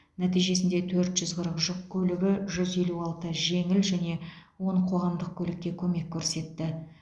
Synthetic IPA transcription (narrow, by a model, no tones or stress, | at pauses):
næt̪ijʒe̞sɪnd̪et̪ʰɵɾt̪ʒ̥ʏzqʰəɾəqʒʊq̚kʲʰɵlɪɡʲɪʒʏze̞luɑlˠt̪əʒe̞ŋɪlʒæne̞wo̞ɴqʰo̞ʁɑmd̪əq̚kʲʰɵlɪk̚ʲːe̞kʲʰɵme̞kʲʰːɵɾse̞t̪ːɪ